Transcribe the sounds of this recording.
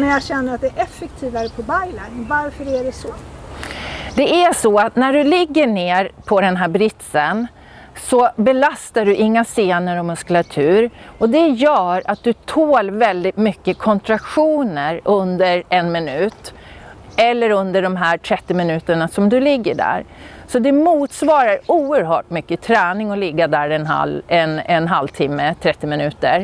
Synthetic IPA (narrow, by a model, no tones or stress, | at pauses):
næɾjɑɡɕɛnːəɾat̪̚d̪ɛʔɛfɛk̚t̪ʰiːvaɾəpʰɔbajlanvaɾfœɾæɖɛsɔ | d̪ɛʔæʂɔat̪næɖɵlɪɡːəɳeːɾpʰɔd̪ɛnɦæːɾbɾɪt̪sən | sɔbɛlast̪aɖɵʔɪŋːaseːnəɾɔmɵskəlat̪ʰʉ̟ːɾɔd̪ɛjœːɾat̪̚d̪ɵt̪ʰoːlvɛld̪ɪt̪mʏkːəkʰɔnt̪ɾakɧuːnəɾʔɵnd̪əɾɛnmɪnʉ̟ːt̪ | ɛlːəɾɵnd̪əɖɔmɦæːʈʰɾɛt̪ːɪmɪnʉ̟ːt̪əɳasɔmd̪ɵlɪɡːəɖæ̰ːɾsɔd̪ɛmuːt̪svɑːɾaɾuːəɾɦœ̰ːʈ̚mʏkːət̪ʰɾɛːnɪŋɔlɪɡːad̪æɾɛnɦa̰lɛnɛnɦalt̪ʰɪmːət̪ʰɾɛt̪ːɪmɪnʉ̟ːt̪əɾ